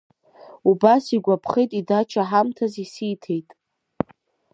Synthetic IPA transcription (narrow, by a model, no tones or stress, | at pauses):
ubasiɡʷapʰχejtʼidat͡ʃʰaħamtʰazisitʰe̞jtʼ